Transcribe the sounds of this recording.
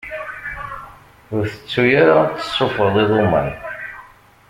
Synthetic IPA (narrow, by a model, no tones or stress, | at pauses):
ʊɾθə̥t͡sːujaɾat͡sːə̥sˤːʊfəðˤiðˤomæ̰n